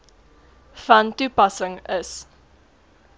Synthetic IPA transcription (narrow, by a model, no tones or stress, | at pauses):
fɐntupɐsəŋəs